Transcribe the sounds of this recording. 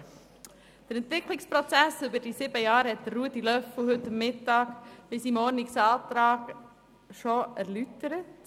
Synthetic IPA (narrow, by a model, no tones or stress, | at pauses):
d̥əɾɛnt̪ʋɪkʰlɪkspɾɔt͡sæsybədisiːbəjɑːɾhɛt̪ɾuətilœfl̩hʏtəmːɪtɑːkb̥ɪsimɔɾnɪksɑːtɾɑːk | ʃoæɾlytəɾət